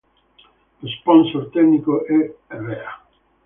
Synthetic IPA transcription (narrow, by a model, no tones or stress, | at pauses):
lospɔnsoɾt̪ɛknikoʔɛrɛa